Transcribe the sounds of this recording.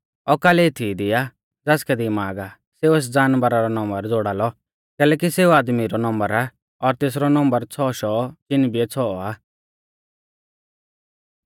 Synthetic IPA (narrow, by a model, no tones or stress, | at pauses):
ɔkaːlet̪ʰid̪ɪja | d͡zɛːskɛd̪imaːɡa | seːueːs̬d͡zaːnbəɾaɾɔnɔ̃mbəɾd͡zoːɽaːlɔ | kɛːlɛːk̬iseːuaːd̪miɾɔnɔ̃mbəɾa | ɔɾt̪eːs̬ɾɔnɔ̃mbəɾt͡sʰɔːʃɔːt͡ʃɪnbiɛt͡sʰɔːaː